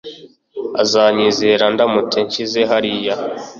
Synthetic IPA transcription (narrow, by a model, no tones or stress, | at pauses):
azaːɲizeɾandamutʰeɲt͡ʃizeɦaɾija